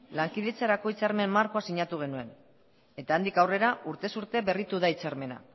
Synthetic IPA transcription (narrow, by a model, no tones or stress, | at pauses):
laŋkiðe̞t͡saɾako̞it͡saɾme̞mmaɾko̞asiɲat̪uɣ̞e̞nue̞n | e̞t̪aːnd̪ikawre̞ɾaʔuɾt̪e̞suɾt̪e̞βe̞rit̪uðait͡saɾme̞na̰